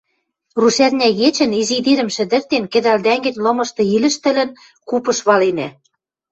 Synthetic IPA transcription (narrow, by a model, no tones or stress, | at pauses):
ruʃærnʲæɣet͡ɕɘ̆nizid̪iɾɘ̆mʃɘ̆d̪ɘ̆rt̪enkɘ̆d̪æld̪æŋɡɘ̆nʲlɤ̆mɤ̆ʃt̪ɤ̆ilɘ̆ʃt̪ɘ̆lɘ̆n | kupɤ̆ʃβɑlenæ